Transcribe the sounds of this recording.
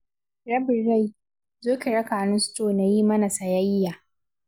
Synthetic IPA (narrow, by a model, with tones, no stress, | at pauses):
ɾɐ˦bɪ˨rːa˦˨j | zoː˦kʲe˨ɽɐ˦kaː˨nɪ˦nsʊ̥˦toː˨na˨jiː˦mɐ˦na˨sɐ˨jɐ˦jːaː˨